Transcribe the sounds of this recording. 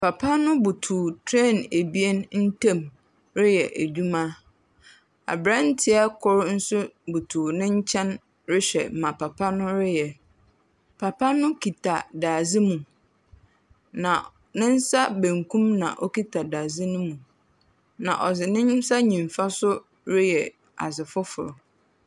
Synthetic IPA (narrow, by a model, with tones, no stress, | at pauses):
pa˨pʰa˦nʊ̃˦bu˨tʰuː˨tʰɾe˦˨ne˨bi˦e˦nn̩˦tʰã˦˨m | ɾɪ˦jɛ˨ʔæ˨d͡ʑᶣu˦mã˦ | a̰˨bɾã˦n̩˦tʰɪ˦a˦kʰɔ˦ɾn̩˦sʊ˦bu˨tʰuː˨nɪ̃˦ɲ̩˦t͡ɕʰɛ̃˦n | ɾɪ˦ɕᶣɛ̰˨mã˨pʰa˨pʰa˦nʊ̃˦ɾɪ˦jɛ˨ | pʰa˨pa˦nʊ̃˦kʰi˨tʰa˨daː˨zɪ˦mũ˨ | nã˨ | nɪ̃˦n̩˦sa˦bæ̃˨ŋkʰũ˦mnã̰˨ʔɔ˦ki˦tʰa˨daː˨zɪ˦nʊ̃˦mũ˨ | nã̰˨ʔɔ˨zɪ˨nɪ̃˦m˦sa˦ɲĩ˨ɱ˨fa˦sʊ˦ | ɾɪ˦jɛ˨ | a̰˨sɪ˨fʊ˦fʊ̰˨ɾʊ˨